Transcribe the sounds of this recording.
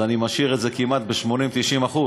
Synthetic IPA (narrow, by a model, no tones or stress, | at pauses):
animaʃiʁetze̞kimat̪̚beʃmo̞nimt̪iʃimaχu